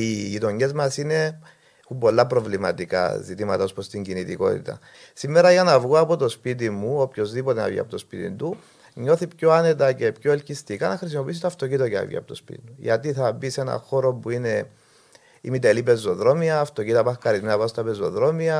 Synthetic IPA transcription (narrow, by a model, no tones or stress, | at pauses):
iʝit̪o̞ɲːe̞zmɐsine̞ | xumbo̞lːɐpɾo̞vlimɐt̪ika̰zit̪imɐt̪ɐospɾost̪iɲɟinit̪iko̞̰t̪ḭt̪ɐ̰ | simːe̞ɾɐʝɐnɐvɣoɐpo̞t̪o̞spit̪̬imuopço̞zðipo̞t̪enɐ̰vʝḭɐ̰pot̪o̞spit̪ḭnd̪u | ɲo̞θipçoane̞t̪ɐce̞pçoelcist̪ikɐnɐxɾis̬imo̞piis̬it̪ɐft̪ocit̪oceɐ̰vʝḭɐ̰pot̪ospḭt̪ḭnuʝɐ̰t̪iθɐbise̞nɐ̰xo̞ɾo̞buine̞ | imit̪elipe̞zːo̞ðɾo̞miɐːft̪ocit̪ɐpɐxkɐɾizminɐpɐst̪ɐpezːo̞̰ðɾo̞miɐ